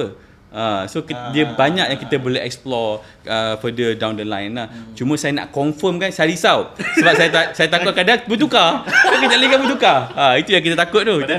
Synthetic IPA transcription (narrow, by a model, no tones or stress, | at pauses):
ə | asokdiəbaɲak̚jãŋkit̪əboleɦɛ̰k̚splɔ | əfədədawndəlajənlaht͡ʃumə̃sajana̰ʔkɔɱfəmkansajɾisawsəbap̚sajaasajat̪akʊt̪̚kadanbət̪̬ukakəd͡ʒaʔlaikanbət̪ukaait̪ujãŋk̬it̪̬ət̪akʊt̪̚t̪oh